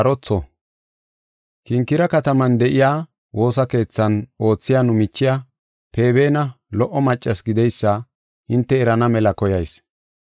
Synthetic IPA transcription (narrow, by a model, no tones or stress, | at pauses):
ɐɾɔt͡sːɔ | kɪŋkːɪɾɐkɐt̪ɐmɐnd̪ɛʔɪjaː | wʔo̞ːs̬ɐke̞ːt͡sːɐno̞ːt͡sːɪjaːnʊmɪt͡ʃːɪja | pe̞ːbe̞ːnɐ | lɔʔːɔmɐt͡ʃʼːɐsɡɪd̪ɛjsːɐ | hɪnt̪ːɛːɾɐnɐmɛlɐkɔjɐjs